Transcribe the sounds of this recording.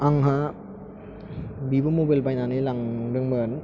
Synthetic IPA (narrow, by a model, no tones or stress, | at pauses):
aŋɦa | bibɯmobajlbajnanɯjlaŋdɯŋbɯn